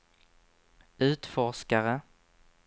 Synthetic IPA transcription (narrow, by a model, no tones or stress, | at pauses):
ʉ̟ːt̪fɔʂkaɾə